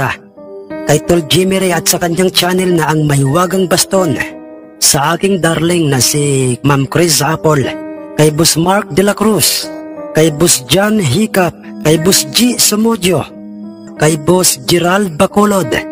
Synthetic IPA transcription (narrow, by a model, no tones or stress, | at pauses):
a | kɐjt̪old͡ʒimɛɾiɐt̪̚sɐkɐɲjaŋt͡ʃanɛlnɐʔɐŋmajwaːɡaŋbɐst̪on | sɐʔaːkɪŋd̪aɾlɪŋnɐsimamkɾɪs̬apolkajbʊsmaɾk̚d̪ɛlakɾuskajbʊsd͡ʒanɦikap̚kajbʊsd͡ʒisomod͡ʒo | kajbosd͡ʒɛɾald̪̚bakolod̪